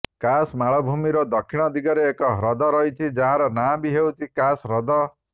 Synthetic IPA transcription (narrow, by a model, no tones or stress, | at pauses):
kasmaɭʌbʱumiɾʌd̪ʌkʰːiɽ̃ʌd̪iɡʌɾeːkɔɦɾʌd̪ʌɾʌjt͡sʰid͡zaɦãɾʌnabiɦewt͡sʰikasɾʌd̪ʌ